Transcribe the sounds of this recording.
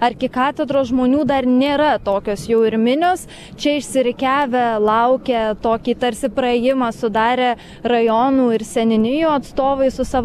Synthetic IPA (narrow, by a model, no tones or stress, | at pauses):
ɐrʲkʲɪkɑːt̪ʲɛd̪ɾoːsʒmoːnʲuːd̪ɐrnʲeːɾɐt̪oːkʲoːsjɛʊɪɾʲmʲɪnʲoːs | t͡ʃʲɛɪʃʲsʲɪɾʲɪkʲæːʋʲɛlˠɐʊkʲet̪oːkʲiːt̪ɐɾʲsʲɪpɾɐeːjɪmɑːsʊd̪ɑːɾʲeː | rɐjoːnuːɪɾsʲɛnʲɪnʲɪjuːɐt̪st̪oːʋɐɪsʊsɑʋ